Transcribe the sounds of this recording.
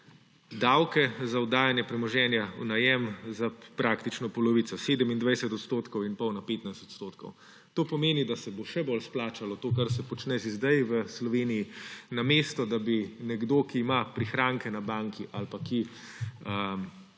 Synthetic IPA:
d̪awkɛzaɔd̪aːjanjɛpɾɛmɔʒɛːnjaṵnajɛmzapɾakt̪it͡ʃnɔpɔlɔʋit̪sɔseːd̪əmind̪ʋɛjsɛt̪ɔt̪st̪oːt̪kɔwinpɐwnapeːt̪najst̪o̥t̪st̪oːt̪kɔ̰w | t̪oːpɔmeːnid̪asɛboʃɛbolsplaːt͡ʃalɔt̪oːkaɾsɛpɔt͡ʃnɛʃizd̪ajʋəslɔʋeːnijinameːst̪ɔd̪abinɛɡd̪oːkiːmapɾixɾaːŋkɛnabaŋkʰiʔalpaki | ə

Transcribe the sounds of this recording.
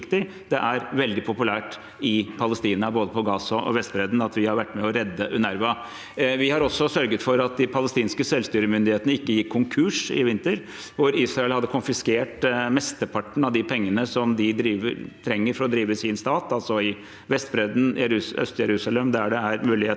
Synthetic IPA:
kt̪ɪ | d̪ɛʔæɾʋɛld̪ɪpʰʊpʉlæːʈ | ɪpʰɑləst̪iːnɑboːd̪əpʰɔɡɑːsɑʔɔ̰ʋɛst̪̚bɾɛd̪n̩ɑt̪ʋɪhɑɾʋæʈːmɛɔɾɛd̪ːəʔʉnæɾʋɑ | ʋɪhɑɾɔsːɔsœɾɡət̪fɔɾɑt̪̚d̪ɪpʰɑləst̪iːnskəsɛlst̪yːɾəmʏnd̪ɪheːt̪əəɪkːəjɪkʰːʊŋkʰʉːʂɪ̰ʋɪnt̪əɾ | ʋʊɾiːsɾɑɛlhɑd̪ːəkʰʊnfɪskeːʈmɛst̪əpʰɑʈːɳ̩ɑʋd̪ɪpʰɛŋːənəsɔmd̪ɪd̪ɾiːʋə̰ɾt̪ʰɾɛŋːəɾfɔɾɔd̪ɾiːʋəsɪnst̪ɑːt̪ɑlsɔɪ | ʋɛst̪bɾed̪n̩ːœ̰st̪jɛɾʉːsɑlɛmd̪ɛæɖɛæɾmʉːlɪheː

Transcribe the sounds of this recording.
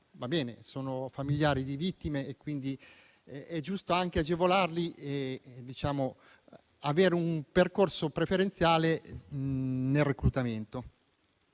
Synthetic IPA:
vabɛːnesoːnofamiljaːɾid̪ivit̪ːimeːkwind̪i | ɛd͡ʒust̪oaŋk̟ead͡ʒevolarlied̪it͡ʃaːmo | aveːɾeumperkorsopɾefeɾent̪sjaːle | nelrekɾut̪ament̪o

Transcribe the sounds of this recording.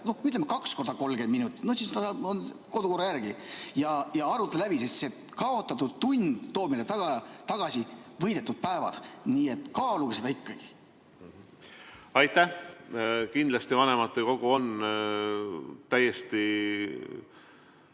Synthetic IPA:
no̞hmyt̪lemːekɑksko̞rd̪̥ɑko̞lɡ̥eminut̪ːˑi̥nosinsd̪ɑsɑonko̞d̪uko̞rɑjærɡ̥ijɑjɑɑɾut̪ːˑɑlæb̥isest̪se | kɑo̞t̪ːˑɑt̪ːud̪̥̚t̪unʲd̪̥o̞ːb̥̚melet̪ɑɡ̥ɑt̪ɑɡ̥ɑsivɤjd̪e̞t̪ːud̪̚pæevɑ̰d̪̥niːe̞t̪ˑkɑːluɡ̥esed̪ɑikːɑɡ̥i̥ | ɑjt̪æh | kind̪lɑst̪ivɑnemɑt̪ːˑeko̞ɡ̥uo̞n | t̪æjːest̪i

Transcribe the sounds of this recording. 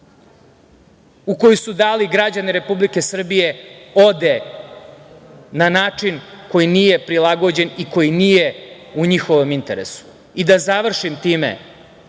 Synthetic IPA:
uko̞jusud̪aːliɡɾad͡ʑaniɾe̞publike̞sr̩bije̞o̞d̪e | nanaːt͡ʂinko̞jinije̞pɾilˠaɡo̞d͡ʑe̞niko̞jinije | uɲixo̞ʋomint̪e̞ɾḛsu̥ | id̪azaʋr̩ʃimt̪iːmḛ

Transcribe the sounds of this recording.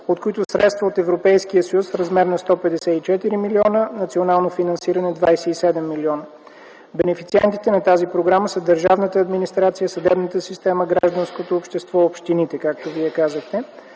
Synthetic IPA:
ot̪̚koit̪ʊsɾɛt̪st̪vəot̪ɛvɾopɛjskiəsəjusfɾɐzmɛɾnɐst̪ɔpɛd̪ɛsɛit͡ʃɛt̪iɾimiliɔnənɐt̪sionalˠnofinɐnsiɾɐnɛd̪vajsɛisɛd̪ɛmːiliɔnə | bɛnɛfit̪siɛnt̪i̥t̪ɛnɐt̪azipɾoɡɾaməsəd̪əɾʒavnət̪əːd̪minist̪ɾat̪sijəsɐd̪ɛbnət̪əsist̪ɛməɡɾa̰ʒd̪ənskot̪oopʃt̪ɛst̪vɔopʃt̪init̪ɛkak̚t̪oviɛkazəxt̪ɛ

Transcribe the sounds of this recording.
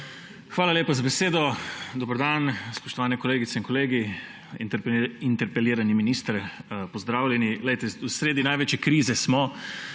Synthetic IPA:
xʋaːlaljeːpazabɛseːd̪ɔd̪obəɾd̪anspɔʃt̪ɔʋaːnɛkoɔleːɡit̪sɛinŋkɔleːɡi | int̪ɛɾpɛleːɾaniminist̪ɾpɔzd̪ɾaːwlʲɛnilɛjt̪ɛusɾeːd̪inajʋeːt͡ʃjɛkɾiːzɛsmɔ

